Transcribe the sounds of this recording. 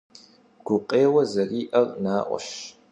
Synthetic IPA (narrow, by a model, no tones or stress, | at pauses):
ɡ̥ʷʊqʼeːwɐzɐriːʔɐrnaːʔʷɔ̰ʃ